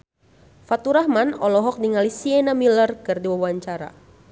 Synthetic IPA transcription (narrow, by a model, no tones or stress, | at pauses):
fat̪uɾahmanɔlɔɦɔk̚diŋalisiɛnamilərkɨrdiwawaɲt͡ʃaɾa̰